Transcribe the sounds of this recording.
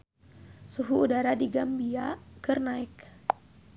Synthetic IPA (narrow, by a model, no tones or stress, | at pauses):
suɦuudaɾadiɡambiakɨrnaɪk̚